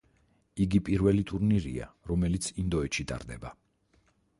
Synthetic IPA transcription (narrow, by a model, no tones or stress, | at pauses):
iɡipʼiɾvɛlit̪ʼuɾniɾḭa̰ɾɔmɛlit̪sʰind̪ɔɛʃit̪ʼa̰ɾd̪ɛba